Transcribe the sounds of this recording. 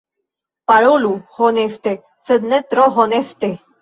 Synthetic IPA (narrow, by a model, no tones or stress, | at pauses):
paɭoluhonest̪e | səd̪nət̪ɾɔɦonest̪e